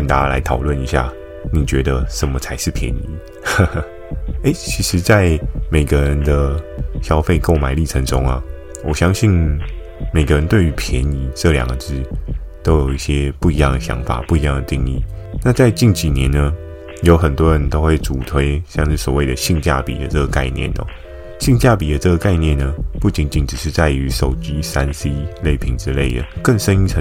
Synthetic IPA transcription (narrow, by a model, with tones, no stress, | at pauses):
ə˧˩nt̪a˨˥˧la̰˧˥ɪt̪ʰɑ˨˩ʊlwə˥˨ni˧˥ɕja̰˥˩ | ni˨˩t͡ɕɥɛ˧˥d̪ə˧ʂə˨˩nmə˦t͡sʰa˧˥ɪʂɻ̩˥˩pʰjɛ̰˧˦ni˧˥˦ | e˥ɪt͡ɕʰi˧˥ʂɻ̩˧˥t͡sa˥˩ɪme˨˩ɪɡə˦ɻə˧˦nd̪ə˧ɕjɑ˥ʊfe˥˧ɪko˥˩ʊma˨˩ɪli˥˩ʈ͡ʂʰə˧˥ŋʈ͡ʂʊ˦ŋa̰˨ | wɔ˨˩ɕjɑ˥ŋɕi˥˩n | me˨˩ɪɡə˧˦ɻə˧˦nt̪we˥˩ɪy˧˥pʰjɛ˧˦ni˧˥ʈ͡ʂɤ˥˨ljɑ̰˨˩ŋɡə˦ʈ͡ʂɻ̩˥t̪o˥ʊjo˨˩ʊi˥˩ɕjɛ˦pu˥˩i˧˦jɑ˥˩ŋd̪ə˩ɕjɑ̰˧˦˥ŋfa̰˨˩pu˥˩i˧˦jɑ˥˩ŋd̪ə˩t̪i˥˧ŋḭ˥˩na˥˧t͡sa˥˧ɪt͡ɕi˥˩nt͡ɕi˨˩njɛ˧˦nːə˨ | jo˧˥ʊxə˨˩nt̪wɔ˦ɻə˧˦nt̪o˥ʊxwe˥˩ɪʈ͡ʂu˨˩t̪ʰwe˥ɪɕjɑ˥˧ŋʂɻ̩˥˩swɔ˨˩we˥˩ɪd̪ə˩ɕi˥˧ŋt͡ɕja̰˥˩pḭ˨˩d̪ə˦ʈ͡ʂə˥˩ɡə˩ka̰˥˧ɪnjɛ̰˥˨nə̰˨˩ | ɕi˥˧ŋt͡ɕja˥˩pi˨˩d̪ə˦ʈ͡ʂə˥˩ɡə˩ka˥˧ɪnjɛ˥˨nːə˩pu˥˩t͡ɕi˧˦nt͡ɕi˧˦nʈ͡ʂɻ̩˨˩ʂɻ̩˥˧t͡sa˥˩ɪy˧˦ʂo˨˩ʊt͡ɕi˦sa˦nsi˥le˥˩ɪpʰi˧˥ŋʈ͡ʂɻ̩˥˦le˥˩ɪd̪ə̰˩kə˥˩ŋʂə˥ni˥ə˧˦